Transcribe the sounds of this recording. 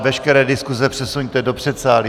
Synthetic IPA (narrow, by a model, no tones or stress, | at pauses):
vɛʃkɛɾɛːdɪskuzɛpr̥ɛsuɲt̪ɛdopr̝̥ɛt̪saːli